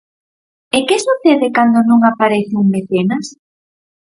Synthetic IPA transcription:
ekesuθeðɪkand̪onuŋapaɾeθeuŋmeθenas

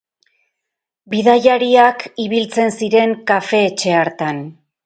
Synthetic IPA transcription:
biðajaɾiakiβilt͡se̞nsiɾe̞ŋkafe̞ːt͡ʃe̞aɾt̪an

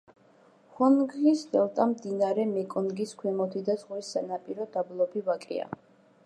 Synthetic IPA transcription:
χɔnɡisd̪ɛlˠt̪ʼamd̪inaɾɛmɛkʼɔnɡiskʰwɛmɔt̪ʰid̪azʁisːanapʼiɾɔd̪ablˠɔbivakʼɛ̰a̰

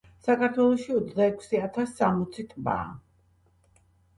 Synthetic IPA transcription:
sakʰaɾt̪ʰwɛlˠɔʃiɔt̪sʰd̪aɛkʷʰsiat̪ʰasːamɔt̪sʰit̪ʼba̰ː

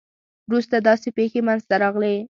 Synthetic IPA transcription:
wɾust̪ad̪ɑsepexemanzt̪aɾɑɣle

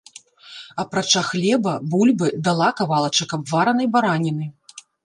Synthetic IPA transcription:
ɐpɾat͡ʂaxlʲɛbɐbulʲbɨd̪alˠakavalˠɐt͡ʂɐkɐbvaɾɐnɐjbaɾanʲinɨ

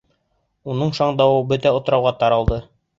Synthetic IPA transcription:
unɤɴʃɑɴd̪ɑwɤbɵt̪æŏt̪ɾɑwʁɑt̪ɑɾɑlˠd̪ɤ

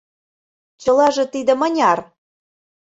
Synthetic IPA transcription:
t͡ɕɤ̆lɑʒĕt̪id̪ə̆mə̆nʲɑr

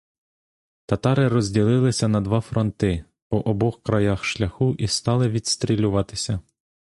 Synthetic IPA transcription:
t̪ɐt̪ɑɾɪɾɔzʲdʲilˠɪlˠɪsʲɐnɐd̪ʋɑfɾɔnt̪ɪ | pɔʔɔbɔxkɾɐjɑxʃlʲɐxuʔist̪ɑlˠɪʋʲid̪st̪ɾʲilʲʊʋɑt̪ɪ̥sʲɐ

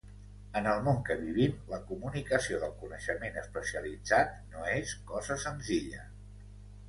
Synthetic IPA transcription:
ənəlˠmoŋkəβiβimləkumunikəsioðəlˠkunəʃəmenəspəsiəlid͡zat̪noeskɔzəsənziʎə̰

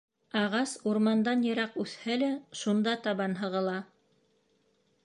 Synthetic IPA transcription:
ɑʁɑsuɾmɑnd̪ɑnjɤ̆ɾɑqʉθhælæʃund̪ɑt̪ɑβɑnɦɤ̆ʁɤ̆lˠɑ

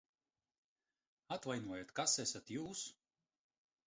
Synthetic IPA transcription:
at̪vajnuɔjat̪kasɛsʲat̪juːs

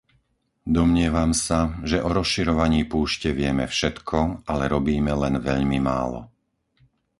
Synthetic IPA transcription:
d̪ɔmɲɪɛʋamsaʒɛʔɔɾɔsʃiɾɔʋaɲiːpuːʃcɛʋɪɛmɛ̰fʃɛt̪kʰɔalɛɾɔbiːmɛlɛnʋɛʎmima̰ːlɔ̰

